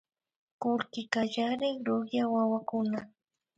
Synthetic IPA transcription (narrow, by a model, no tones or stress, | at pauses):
kʊlkɪkaʒaɾɪŋɾʊχjawawakʊna